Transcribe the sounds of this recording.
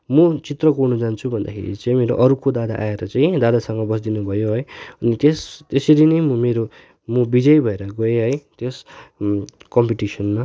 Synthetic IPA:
mʌt͡sit̪rʌkurnud͡zant͡sʰubʱʌnd̪a̰kʰḛɾḭt͡saĩmeɾo̰ʔʌɾukod̪ad̪a̰ʔaeɾʌt͡saĩd̪ad̪asʌŋɡʌbʌsd̪inubʱʌjoɦʌjʌnit̪est̪eseɾinʌjmʌmeɾo | mʌbid͡zʌjbʱʌeɾʌɡʌeɦʌjt̪es | kʌmpiʈisʌnma

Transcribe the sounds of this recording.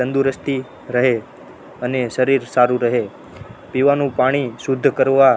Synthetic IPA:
ənd̪uɾəst̪i | ɾəɦe | əneʃəɾiɾsaɾũɾəɦe | piʋanũpaɽ̃isud̪ʱːkəɾʋa

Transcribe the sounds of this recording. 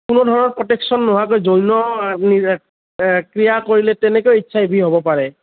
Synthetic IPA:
kunudʱɔɹɔnɔɹpɹɔtɛksɔnːɔɦakojzojnɔni | kɹijakoɹilɛtɛnɛkojitːsʰaebʱiɦobɔpaɹɛ

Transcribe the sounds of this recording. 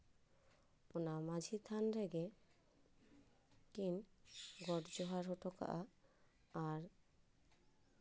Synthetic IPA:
ponamad͡ʑʱit̪ʰanɾeɡe | kinɡɔʈd͡ʑoɦaɾɦoʈoka̰ʔaː | ɾ

